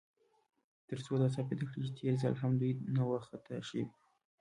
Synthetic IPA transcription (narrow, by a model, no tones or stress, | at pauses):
t̪əɾt͡sod̪as̬apet̪akɽit͡ʃet̪ʰeɾza̰lɦamd̪ujnawaxat̪aʃiw